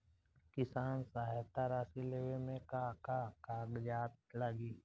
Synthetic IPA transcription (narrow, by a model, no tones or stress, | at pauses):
kɪsaːnsaːɦt̪aɾaːsileːʋemẽkakakaːɡd͡ʒaːt̪̚laɡiː